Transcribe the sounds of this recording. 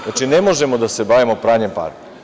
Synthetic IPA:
at͡ʃinemoʒemod̪ase̞baːʋimopɾaːɲempa̰ːɾk

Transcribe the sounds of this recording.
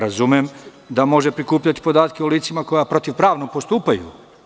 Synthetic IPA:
ɾazumjem | d̪amo̞ʒe̞pɾikuːpʎat̪i̥po̞d̪aːt̪ke̞uliːt̪simako̞japɾo̞t̪iʋpɾaːʋnopo̞st̪uːpajṵ

